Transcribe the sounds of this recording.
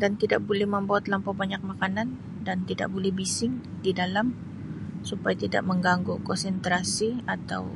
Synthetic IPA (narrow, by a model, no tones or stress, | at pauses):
dant̪ida̰ʔ̚bolɛhməmbawat̪lampabaɲak̚makanan | dant̪ida̰ʔbolɛhbisɪŋ | didalam | supajat̪ida̰ʔməŋɡaŋɡokɔnsɛnt̪ɾasiat̪a̰w